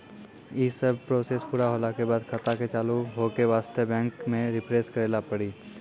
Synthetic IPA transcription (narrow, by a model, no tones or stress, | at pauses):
isəbʱpɾoːseːspuːɾaɦoːlakebaːd̪kʰɐt̪aket͡ʃaːluɦoːkeʋaːst̪əbɛ̃ːŋkmẽɾɪpʰɾeːskəɾeːlapəɽiː